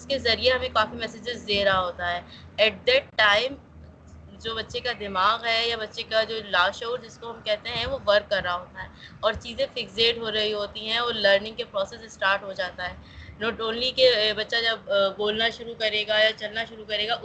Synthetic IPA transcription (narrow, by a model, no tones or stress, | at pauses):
ʊskezɐɾieɦɐmẽkaːfimɛsed͡ʒɪzd̪eːɾaɦaɦoːt̪aɦɛː | ɛːʈ̚d̪ɛːʈːaːɪm | d͡ʒoːbɐtːʃekad̪ɪmaːɣɦɛjabɐtːʃekad͡ʒoːlaːʃoːɾd͡ʒɪskoɦɐmkɛɦt̪eɦɛ̃ʋoʋɐɾkːɐɾːaɦaɦoːt̪aɦɛːɔːɾt͡ʃiːzẽfɪɡseːʈɦoɾɐɦiɦoːt̪iɦɛ̃ɔːɾləːɾnɪ̃ŋkepɾɔːsɛssʈaːɾʈɦod͡ʒaːt̪aɦɛː | noːʈoːnlikebɐtːʃad͡ʒɐbboːlnaʃʊɾukɐɾeːɡajat͡ʃɐlnaʃʊɾukɐɾeːɡaʔʊ